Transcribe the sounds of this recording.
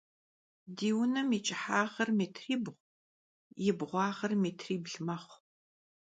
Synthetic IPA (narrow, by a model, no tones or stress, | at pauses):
diːwʊnɐmit͡ʃʼɪħaːʁɐrmeːtʰriːbʁʷ | jɪbʁʷɑːʁɐrmeːtʰriːbɮmɐχʷ